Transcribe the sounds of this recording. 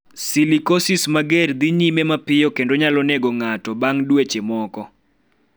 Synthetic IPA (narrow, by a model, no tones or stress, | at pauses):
silikosismaɡerd̪iɲimemapɪjɔkendoɲalɔneɡoŋatɔbaŋdwet͡ʃemɔkɔ